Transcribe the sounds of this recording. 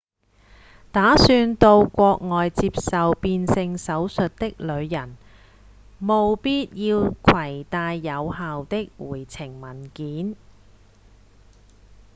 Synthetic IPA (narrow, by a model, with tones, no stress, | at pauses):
t̪aː˨˥syː˧nt̪o˧wkʷɔː˧k̚ŋɔː˨jt͡siː˧p̚sɐ˨wpiː˧nsɪ˧ŋsɐ˨˥wsɵ˨t̚t̪ɪ˥k̚lɵ˨˧ɥjɐ˨˩n | mo˨wpiː˥t̚jiː˧wkʰwɐ˨˩jt̪aː˧jːɐ˨˧wɦaː˨wt̪ɪ˥k̚wuː˨˩jt͡sʰɪ˨˩ŋmɐ˨˩nkiː˨˥n